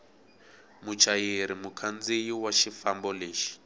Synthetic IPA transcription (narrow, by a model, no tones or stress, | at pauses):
mut͡ʃʰajeɾimukʰand͡zijiwaʃifambɔleːʃi̥